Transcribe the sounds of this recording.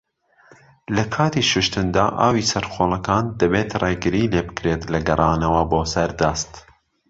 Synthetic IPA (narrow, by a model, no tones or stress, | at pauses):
lɐkʰɑːt̪iːʃʊʃt̪ɨnd̪aːʔa̰ːwiːsɐɾxoːlˠɐkɑːnd̪ɐbeːt̪reːɡɨɾiːleːbɨkɾet̪lɐɡɐrˤɑːnɐwɐboːsɐɾd̪ɐst̪